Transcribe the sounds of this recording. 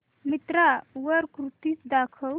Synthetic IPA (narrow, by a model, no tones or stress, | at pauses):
mit̪ɾaʋəɾkɾut̪isd̪akʰəw